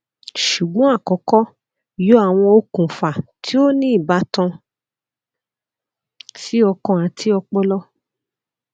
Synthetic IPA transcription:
ʃu˨ɡ͡bɔ̃˨˦a˦˨kɔ˨˦kɔ˦ | jo˦a˦˨w̃ɔ̃˧o˧kũ˨fa˨tʰi˦o˦nĩ˦i˦˨ba˨˦tɔ̃˧ | si˦ɔ˧kɔ̃˧˨ã˨tʰi˦ɔ˧k͡pɔ˦lɔ˦

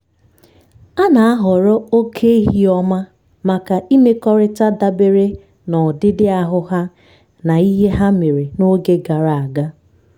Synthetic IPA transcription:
a˦na˨a˦ɦɔ˨ɾɔ˦o˦kʰe˦i˦ɦi˦ɔ˦ma˦ | ma˨ka˨i˦me˦kɔ˦ɾɪ˦ta˦da˦be˦ɾe˦ | nɔ˨dɪ˦dɪ˦a˦ɦʊ˦ɦa˦ | na˨i˦ɦe˦ɦa˦me˨ɾe˨no˦ɡe˦ɡa˨ɾa˨a˨ɡa˦

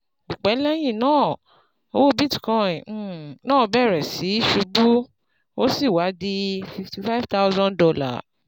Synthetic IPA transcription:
u˨k͡pɛ˨˦lɛ˦j̃ĩ˦˨nãː˦˨ | o˦wo˦bi˦tkɔ̃˧˨˦nãː˦˨˧bɛ˦˨ɾɛ˨si˨˦ʃu˧ɡ͡bu˦ | o˦si˦˨wa˨˦di˧fi˧fti˧fa˦vta˦ʊ˦zɔ̃˦ndɔ˧la̰˦˨

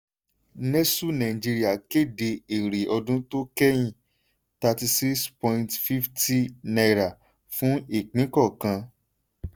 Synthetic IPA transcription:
nɛ˦su˦˨nã˨ĩ˨d͡ʒi˧ɾi˦a˦˨ke˦˨de˧e˨ɾe˨ɔ˧dũ˦to˦kɛ˦j̃ĩ˦˨ | ta˧ti˧si˦kspɔ̃˧ĩ˧ntfi˦fti˦na˧ɾa˨ | fũ˨˦i˦˨k͡pĩ˨˦kɔ˦˨kã˧

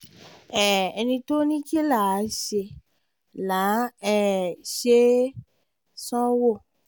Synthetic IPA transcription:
ɛ˦˨ɛ˧nĩ˧to˦nĩ˦ki˦la˦˨a˨˦ʃe˧ | la˨˦ɛ˦˨ʃe˦ | sɔ̃˦wo˦˨

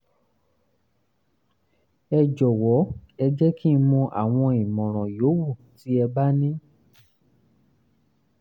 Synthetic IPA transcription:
ɛ˧d͡ʒɔ˨wɔ˨˦ɛ˧d͡ʒɛ˦ki˦˧mɔ̃˧ʔa̰˨w̃ɔ̃˧i˨mɔ̃˨ɾ̃ɔ̃˨jo˨˦wu˦˨ti˨˦ɛ˧ba˦nĩ˦

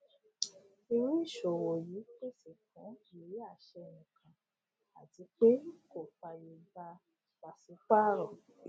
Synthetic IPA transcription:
i˧ɾĩ˦˨ʃo˨wo˨ji˨˦k͡pe˦si˨kɔ̃˨˦i˨˦a˦˨ʃɛ˧nĩ˨kʰã˨ | a˨ti˨˦k͡pe˦ko˦˨fa˧je˧˨ba˧ | k͡pa˨si˨˦k͡pa˦ɾɔ˨

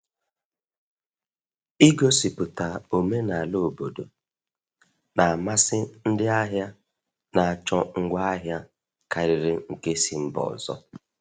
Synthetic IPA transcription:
i˦ɡo˦si˨pʊ˨ta˨o˨me˦na˨a˨lo˦˨bo˨do˨ | na˨a˨ma˦sɪ˦n̩˦dɪ˦a˦ɦja˦ | na˨a˨t͡ʃɔ˦ŋ̩˦ɡʷa˦a˦ɦja˦ | ka˨ɾɪ˨ɾɪ˨ŋ̩˨ke˦si˨m̩˦bɔ̰˨zɔ̰˦

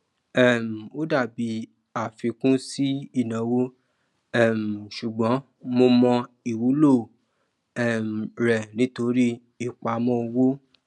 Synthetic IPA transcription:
ɛ˦˨m̩˨o˦da˦˨bi˧˦ | a˨fi˧kũ˦si˦i˦˨nã˨˦wo˦ | ɛ˦˨m̩˨ʃu˨ɡ͡bɔ̃˨˦ | mo˧mɔ̃˧ | i˨wu˨˦lo˦˨ | ɛ˦˨m̩˨ɾɛ˨nĩ˨˦to˧ɾi˦ | i˦˨k͡pa˨mɔ̃˦o˧wo˦

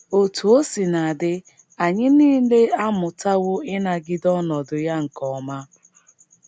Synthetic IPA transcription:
o˨tu˨o˦si˨na˨a˨dɪ˦ | a˨ɲɪ˦niː˦le˦a˦mʊ˨ta˦ɣʊ˦ɪ˦na˨ɡɪ˦dɔ˦nɔ˨dʊ˨ja˦ŋ̩˨kɔ˨˦ma˦

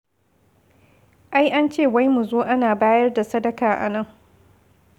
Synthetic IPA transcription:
ʔa˦jʔa˦nt͡ʃeː˦˨wa˦jmu˨zoː˦ʔa˦naː˨baː˦jɐ˦rda˨sɐ˦dɐ˨kaː˨ʔa̰˨nɐ˦˨ŋ

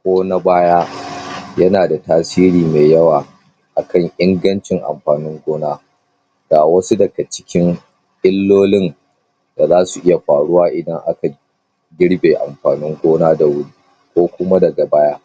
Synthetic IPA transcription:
kʷoː˦na˦baː˦ja˦jɐ˦naː˨da˨taː˦siː˦ɾiː˨meː˨jɐ˦waː˨ | ʔa˨kʰɐ˦˨ŋʔɪ˦ŋɡɐ˦nt͡ʃɪ˨ŋʔa̰˨mɸaː˨nɪ˦ŋɡʷoː˦naː˦ | ɡ̥aː˨wɐ˦su˦dɐ˨ɡa˨t͡ʃɪ̥˦kʲɪ˦ŋ | ʔɪ˦lːoː˦lɪ˦n | da˨zaː˦su˨ʔɪ˦ja˨ɸaː˨ɽʊ˦waː˦ʔɪ˨dɐ˦ŋʔa̰˦ka˨ | ɡʲɪ˦ɽbeː˨ʔa̰˨mɸaː˨nɪ˦ŋɡʷoː˦naː˦da˨wʊ˦ɽi˦ | kʷoː˦kʷʊ˦ma˦dɐ˨ɡa˨baː˦jaː˦

